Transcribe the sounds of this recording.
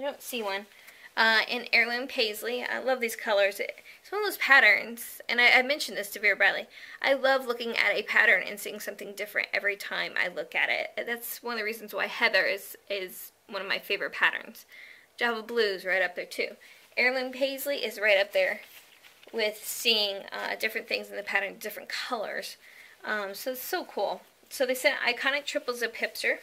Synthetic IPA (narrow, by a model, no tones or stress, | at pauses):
adõʊ̃ntsiwʌ̃n | ʔʌɪ̃nɛɹlˠɪ̃npʰeɪzlia̰ɪlʌvðiz̥kʰʌlˠə˞zɪ̰ɪtswʌnʌvðoʊz̥pʰæɾə̃˞nz̥ɨ̃naɪaɪmɛ̃nʃn̩ðɪstʰɨvɪɹɨbɹaɪlˠiʔaɪlʌvlʊkɪ̃ŋɨ̰ɾɨpʰæ̰ɾə̃˞nɨ̰̃nsiɪ̃ŋsʌ̃mθɪ̃ŋdɪfɹɨ̰̃ntɛ̰vɹitʰãɪ̃mʔa̰ɪlʊkɨ̰ɾɪ̰t̚ðætswʌ̃nʌðɨɹizn̩zwa̰ɪhɛðə˞z̥ɪz̥ | wʌ̃nʌvmaɪfeɪvə˞ɨt̚pʰæɾə̰̃˞nz̥d̥ʒ̥ɑbʌblʉzɹaɪɾʌp̚ðə˞tʰʉʔɛɹlɨ̃npʰeɪzliʔɪzɹaɪɾʌp̚ðə˞ | wɪð̥siɪ̃ŋʌ̰dɪfɹɨ̃nθɪ̃ŋzn̩ðɨpʰæɾə̃˞ndɪfɹɨ̃nkʰʌlˠə̰˞z̥ʔʌ̃msoʊɨtsoʊkʰulˠ | soʊðeɪsɛɾa̰ɪkʰãɪ̃ndɨtʰɹ̥ɪpl̩ˠzɨpʰɪpstə˞